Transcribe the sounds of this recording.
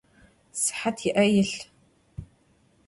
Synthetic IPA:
sɨ̥ħatʰjɪʔɐjɪɬ

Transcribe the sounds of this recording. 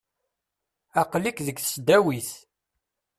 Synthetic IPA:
ɑqlikðəɡθsd̪æwiθ

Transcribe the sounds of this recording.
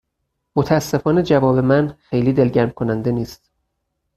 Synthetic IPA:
mot̪ʰææsːe̞fɒːne̞d͡ʒævɒːbe̞mænxe̞jliːd̪e̞lɟæɾmkʰonænd̪e̞niːst̪

